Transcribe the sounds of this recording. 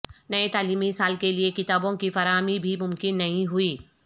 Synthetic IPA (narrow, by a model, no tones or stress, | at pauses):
nɐet̪aːliːmisaːlkeliekɪt̪aːbõkifɐɾaːmibʱimʊmkɪnːɐɦĩɦʊiː